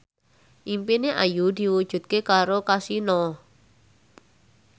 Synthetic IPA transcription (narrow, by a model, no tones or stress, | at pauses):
ʔimpineʔajud̪̥i̤wud̥ʒ̥ṳt̪̚kekaɾokasinɔ